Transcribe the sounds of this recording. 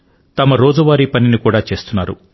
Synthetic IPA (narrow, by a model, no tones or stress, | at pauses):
t̪ɐmɐɾoːd͡ʒuʋaːɾiːpɐninikuːɽaːt͡ʃe̞ːst̪unːaːɾṵ